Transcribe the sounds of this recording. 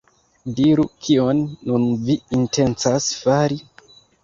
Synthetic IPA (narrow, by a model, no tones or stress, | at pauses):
diɾukʰionːunviintʰe̞nt͡sasfaɾi